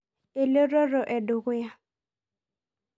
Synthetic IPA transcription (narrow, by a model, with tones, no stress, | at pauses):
e˨lo˦ɾɔ˦ɾɔ˨ʔɛ˨dʊ˨ɣʊ˦ja˦